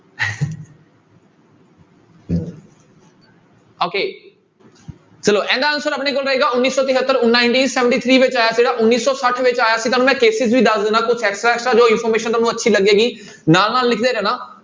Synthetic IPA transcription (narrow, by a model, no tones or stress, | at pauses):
oːkeː | t͡ʃəloːʔɛ̃ːnd̪aːənʊsəɾəpɳeːkolɾəɦeːɡaːʊnːiːsɔːt̪ɪɦət̪ːəɾʊnːaːɪ̃ɳʈiːnsɛːʋə̃ɳʈiːt̪ʰɾiːʋɪt͡ʃaːjaːsd͡ʒeːɽaːʔʊnːiːsːɔːsəʈʰʋɪt͡ʃaːjaːsiːt̪̬aːnũːmɛ̃ːkeːsɪzʋiːd̪əsd̪ɪːnaːkʊt͡ʃʰɛːksʈɾaːɛːksʈɾaːd͡ʒoːɪnpʰɔːɾmeːʃənt̪aːnũːətːʃʰiːləɡeːɡiː | naːlnaːlːɪkʰd̪eːɾɛ̃ːnaː